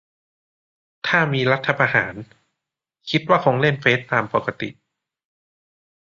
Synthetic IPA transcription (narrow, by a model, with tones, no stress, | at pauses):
t̪ʰaː˥˩miː˧ɾa˦˥t̪ʰːa˧pʰa˧ha̰ː˩˦n | kʰi˦˥t̪̚waː˥˩kʰo˧ŋle˥˩nfeː˦˥t̪ːaː˧mpo˨˩ka˧t̪ḭ˨˩ʔ